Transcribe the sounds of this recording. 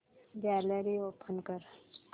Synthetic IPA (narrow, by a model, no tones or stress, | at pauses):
ɡɛːləɾioːpʰənkəɾ